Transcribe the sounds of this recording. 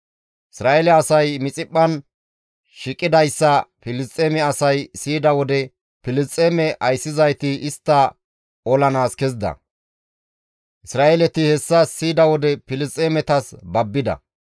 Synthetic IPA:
ʔɪsɾaːʔɛlɛɐsɐjmɪt͡sʼɪpʼːɐn | ʃɪkʼːɪd̪ɐjsːɐpɪlɪst͡sʼeːmɛɐsɐjsiːd̪ɐwɔd̪ɛ | pɪlɪst͡sʼeːmɛʔɐjsːɪzɐjt̪ɪɪst̪ːɐ | ɔlɐnaːskɛzd̪ɐ̰ | ʔɪsɾaːʔɛlɛt̪ɪhɛsːɐsiːd̪ɐwɔd̪ɛpɪlɪst͡sʼːeːmɛt̪ɐsbɐbːɪd̪ɐ̰

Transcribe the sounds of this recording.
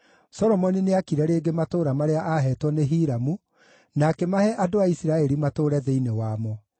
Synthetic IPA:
sɔɾɔmɔnineakiɾɛɾeːɡematoːɾamaɾeaʔaɦɛːtwɔneɦiːɾamu | nakɛmahɛʔadoaisiɾaɛɾimatoːɾɛðeinewaːmɔ

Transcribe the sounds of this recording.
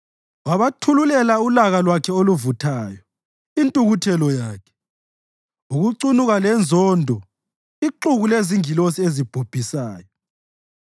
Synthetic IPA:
waβatʰululɛlaulaɣalwakʰɛoluvutʰaːjɔ | intʼuɣutʰɛlɔjaːkʰɛ̥ | uɣuǀunuɣalɛnd͡zʱɔːndʱɔ | iǃuɣuleziŋilosiezib̥ʱub̥ʱisaːjɔ

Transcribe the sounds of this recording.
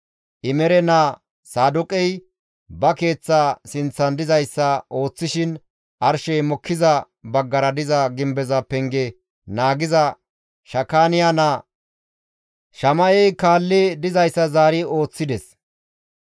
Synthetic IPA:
ʔɪmɛɾɛnaː | saːd̪ʊkʼɛj | bɐke̞ːt͡sːaːsɪnt͡sːɐnd̪ɪzɐjsːɐʔo̞ːt͡sːɪʃɪn | ʔɐɾʃɛjmɔkʰːɪzɐ | bɐɡːɐɾɐd̪ɪzɐɡɪmbɛzɐpɛŋɡɛ | naːɡɪzɐ | ʃɐkːaːnɪjana | ʃɐmɐjɛjkaːlːɛd̪ɪzɐjsːɐzaːɾɪo̞ːt͡sːɪd̪ɛs

